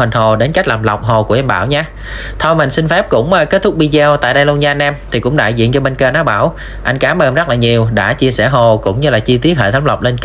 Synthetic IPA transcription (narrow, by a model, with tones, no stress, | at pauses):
i˨˩ŋ̟ho˨˩ɗe˨˦nka˦˥k̚laː˨˩mla˨˩wk͡p̚ɦo˨˩kəʔɛ˧mɓa̰ː˧˩wɲaː˧ | t̪ʰɔ˧jma˨˩ŋ̟sï˧ŋ̟fɛ˦˥p̚kʊ̰˧˥ŋ͡mʔːke˦˥t̚t̪ʰʊ˦˥k͡p̚ɓi˧zɛ˧wt̪a̰ː˧˨jɗə˧jlu˧ənzaː˧nɛ˧mt̪ʰi˨˩kʊ̰˧˥ŋ͡mɗa̰ː˧˨jzḭ˧˨ənt͡ɕɔ˧ɓe˧nkəː˧naː˨˦˥ɓaː˧˩w | ʔa˧jŋ̟kaː˨˦mʔəː˧˩nzə˦˥laː˨˩ɲi˨˩əwɗa̰ː˧˥t͡ɕi˧əsɛ̰˧˩ɦo˨˩kʊ̰˧˥ŋ͡mɲɨ˧laː˨˩t͡ɕi˧t̪i˦˥ət̚həː˧˨˩t̪ʰːŋ͡mla˨˩wk͡p̚le˧n